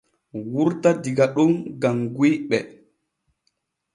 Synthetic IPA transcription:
wuɾtadiɡaɗumɡaŋɡwiɓɛ

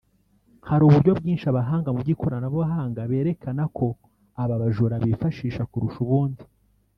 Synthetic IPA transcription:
haɾuːβuɾɟo̞bɡiːnʃaβaɦaːŋɡamubɟikʰo̞ɾanaβoβaɦaːŋɡaβe̞ːɾe̞kanakʰo̞ | aβaβaʒuɾaβifaʃiːʃakuɾuʃuβuːndi

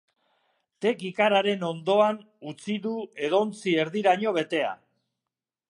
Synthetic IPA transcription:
t̪e̞kikaɾaɾe̞no̞nd̪o̞an | ut͡siðue̞ðo̞nt͡sie̞ɾðiɾaɲo̞βe̞t̪e̞a̰

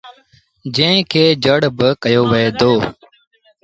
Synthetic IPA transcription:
d͡ʒẽkʰeːd͡ʒəɽbəkəjoːʋəeːd̪oː

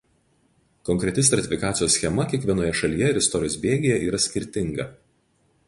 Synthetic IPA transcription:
kɔŋʲkɾʲɛt̪ʲɪst̪ɾɐt̪ʲɪfʲɪkɑːt̪sʲɪjoːsːʲxʲɛmɐkʲiɛkʋʲiɛnoːjɛʃɐlʲiːjɛɪɾɪst̪ɔɾʲɪjoːsbʲeːɡʲɪjɛʔiːɾɐsʲkʲɪɾʲt̪ʲɪŋɡɐ

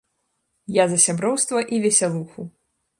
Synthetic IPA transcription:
jazɐsʲabɾɔwst̪vɐʔivʲɛsʲalˠuxu

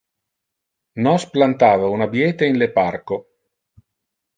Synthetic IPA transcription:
nɔsplant̪aːvaunabjɛːt̪einleparko

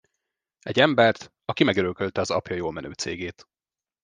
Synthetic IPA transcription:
ɛɟːɛmbɛrt̪ | ɒkimɛɡøɾøkølt̪ɛɒzɒ̰pjɒjoːlmɛnø̰ːt̪sḛːɡeːt̪

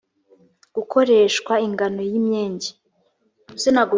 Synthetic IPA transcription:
ɡ̥ukʰo̞ɾe̞ːʃkwaiŋɡano̞jimɲeːɲɟe̥ | uzenaɡu

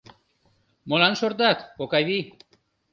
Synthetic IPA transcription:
molansoɾt̪at̪pokajβi

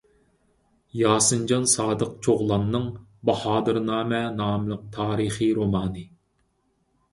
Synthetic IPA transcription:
jɑːsɨnd͡ʒɑnsɑːd̪əqt͡ʃʰoʁlˠɑmnɨŋbɑhɑːd̪ɨɾnɑːmɛnɑːmɨlˠəq̚t̪ʰɑːɾɨχiɾomɑːnɨ

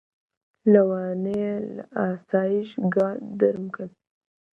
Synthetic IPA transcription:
lawɑnelaasɑjɪʃɡɑd̪aɾmkal

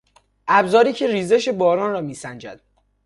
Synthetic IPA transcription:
ʔæbzɒːɾiːcʰeriːze̞ʃe̞bɒːɾɒːnrɒːmiːsænd͡ʒæ̰d̪

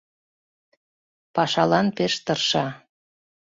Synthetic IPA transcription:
pɑʃɑlɑnpeʃt̪ɤrʃɑ

